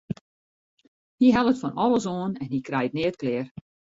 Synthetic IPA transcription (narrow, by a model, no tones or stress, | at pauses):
hiɦɛlˠətfɔnɔlˠəsoːənɛnhikrɛjətnɪət̚klɪːr